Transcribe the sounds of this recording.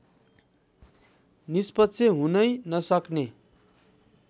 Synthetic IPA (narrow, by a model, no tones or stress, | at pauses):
nispʌtːt͡sʰeɦunʌjnʌsʌkne